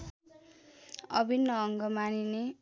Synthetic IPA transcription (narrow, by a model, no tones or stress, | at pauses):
ʌ̰bʱinːʌːŋɡʌmanine